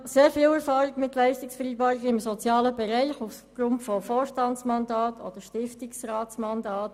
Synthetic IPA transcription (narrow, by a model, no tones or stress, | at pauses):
seːɾfiːlɛʁfɑːɾɪɡmɪtlæɪstɪksfəɾiːbɑːɾɪɡəɪmsɔt͡sjɑːləbɛɾæɪχuf | ɡ̥ɾʊntfɔfoːʃtɑnt͡smɑndɑːtʰɔ̰d̥əʃtɪftɪksrɑːtsmɑndɑːt